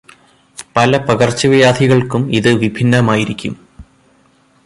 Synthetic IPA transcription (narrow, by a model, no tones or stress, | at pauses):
pɐlɐpɐɣɐrt͡ɕːɐʋijaːd̪ʱiɣɐɭkumiðɨʋibʱinːɐmaːjiɾikʲːum